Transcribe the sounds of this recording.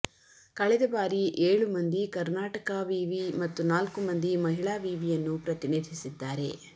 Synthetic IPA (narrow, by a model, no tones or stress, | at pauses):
kɐɭɛd̪ɐbaːɾiʔeːɭumɐnd̪ikɐɾnaːʈɐkɐʋiːʋimɐt̪ːunaːlkumɐnd̪imɐɦiɭaːʋiːʋijɐnːupɾɐt̪iniːd̪ʱisid̪ːaːɾe̞̰